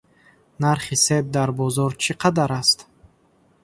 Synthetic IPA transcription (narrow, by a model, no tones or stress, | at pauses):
naɾχise̞b̚d̪aɾbɔzɔɾt͡ʃʰiqʰad̪aɾast̪